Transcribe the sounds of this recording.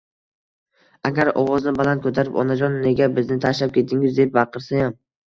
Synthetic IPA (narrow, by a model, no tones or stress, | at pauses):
aɡʲaɾɒ̰wɒznɪbalant̪̚kʰɵt̪ʰaɾɪpɒ̰nad͡ʒɒnːe̞ɡʲabɪznɪt̪ʰaʃlap̚kʲʰe̞t̪ʰɪŋɪzd̪ep̚bɑqʰɨɾsajam